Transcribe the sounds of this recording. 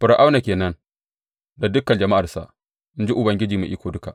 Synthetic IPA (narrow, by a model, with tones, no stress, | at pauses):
ɸɪ˨ɾa˨ʔa˦wna˨kʲeː˨nɐ˦n | da˨dʊ˦kɐ˨nd͡ʒɐ˨ma˦ʔa˨rsa̰˨ʔ | mʊ˦nd͡ʒi˦ʔʊ˨bɐ˨ŋɡʲɪ˦d͡ʒiː˨mṵ˨ʔɪ˦kʷoː˨dʊ˦ka˨ʔ